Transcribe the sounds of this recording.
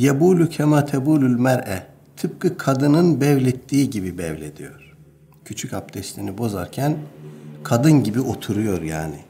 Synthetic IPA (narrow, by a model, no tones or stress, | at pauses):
jabuːlʲucʰamat̪ʰebuːlʲylʲmæɾʔɛ | t̪ʰɯp̚kɯkʰad̪ɯnɯnbɛvlʲet̪ʰːiːɟibibɛ̰vlʲḛd̪ijo̞̰ɾ̥ | cʰyt͡ʃʰycap̚d̪ʰɛst̪lʲinibo̞za̰ɾcʰænkʰad̪ɯnɟibio̞t̪ʰuɾujo̞ɾja̰ːnɪ